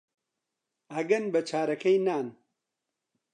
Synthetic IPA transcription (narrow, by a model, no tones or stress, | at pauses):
ɐɡɐnbɐt͡ʃʰaːɾɐkɐjnaːn